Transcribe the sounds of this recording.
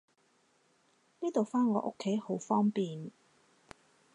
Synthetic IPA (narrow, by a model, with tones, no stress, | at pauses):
niː˥t̪o˨wfaː˥nŋɔː˨˧ʔʊ̰˥kʰːe˨˥jho˨˥wfɔː˥ŋpiː˨n